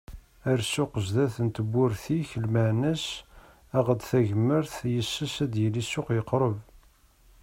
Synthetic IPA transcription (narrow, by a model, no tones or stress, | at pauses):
æɾsʊqəʒðæθənt̪əbːʊɾθiçəlməʕnæs | æʁəd̪θæʝəmːəɾθjəsːəʃæd̪jəlisːʊqjəqɾˤəv